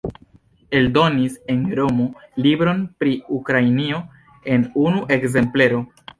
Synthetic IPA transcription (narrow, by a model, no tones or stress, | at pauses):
e̞ldo̞nise̞nɾo̞mo̞libɾo̞npɾiukɾainio̞ | e̞nunuʔe̞kze̞mple̞ɾo̞